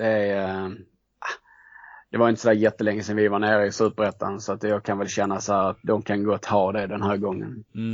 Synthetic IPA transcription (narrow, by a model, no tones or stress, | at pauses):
d̪̥ɛ | a | d̪̥ɛvaɾɪnt̪ə̥sɔd̪æːɾjɛt̪ːəlɛŋːəsɛnvɪvaɳeːɾɪsʉːpəɾɛt̪ːa̰nsɔat̪jɑːɡ̚kʰanvɛlɕɛnːasɔhæːɾat̪̚d̪ɔmkʰanɡoːat̪ʰhɑːd̪ɛd̪ɛnɦæːɾɡɔŋːə̰n